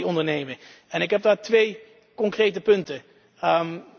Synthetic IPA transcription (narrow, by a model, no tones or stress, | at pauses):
ɔndəɹnejməɛnɪkɦɛb̚daːɹtʋej | kɔŋkrejtəpɵntə | m